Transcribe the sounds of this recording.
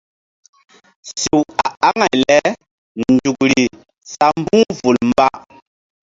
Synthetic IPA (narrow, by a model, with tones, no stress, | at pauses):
si˨wa˨a˦ŋa˨jlɛ˦ | nd͡ʒu˨k̚ɾi˨ | sa˨m˦bu˦vu˨lmba˦